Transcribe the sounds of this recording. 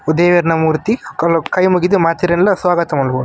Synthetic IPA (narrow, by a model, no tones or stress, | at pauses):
ud̪eːʋɐɾnɐmuːɾt̪ikɐlkɐjmuɡid̪umaːt̪iɾɐnlɐsʋaːɡɐt̪ɐmɐlɦoːd̪u